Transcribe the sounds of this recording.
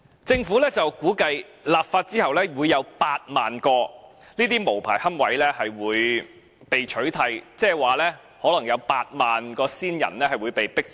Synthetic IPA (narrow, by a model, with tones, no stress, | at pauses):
t͡sɪ˧ŋfuː˨˥lɛː˥t͡sɐ˨wkuː˨˥kɐ˧j | laː˨p̚faː˧t̚t͡siː˥hɐ˨wlɛː˥wuː˨˧jːɐ˨˧wpaː˧t̚maː˨˩nkɔː˧ | niː˥t̪iː˥mo˨˩wpʰaː˨˩jhɐ˥mwɐ˨˥jlɛː˥hɐ˨jwuː˨˧j | pe˨jt͡ʃʰɵ˨˥ɥt̪ʰɐ˨˧jt͡sɛː˥˩waː˨lɛː˥ | hɔː˨˥lɐ˨˩ŋjɐ˨˧wpaː˧t̚maː˨nkɔː˧siː˥njɐ̰˨˩nlɛː˥hɐ˨jwuː˨˧jpe˨jpɪ˥k̚